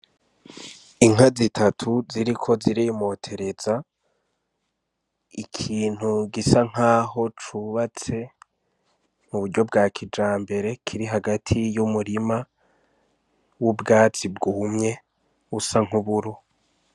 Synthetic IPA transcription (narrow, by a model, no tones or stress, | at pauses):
iŋ̥azitʰatʰuziɾikʰo̞ziɾimo̞ːtʰe̞ɾe̞za | ikʰiːn̥huɡisaŋ̥aːho̞t͡ʃuβat͡se̞ | m̥uβuɾɟo̞bɡaːkʰid͡ʒaːmbe̞ɾe̞kʰiɾiɦaɡatʰijumuɾima | wubɡaːt͡sibɡuːmŋe̞ | usaŋ̥huβuɾo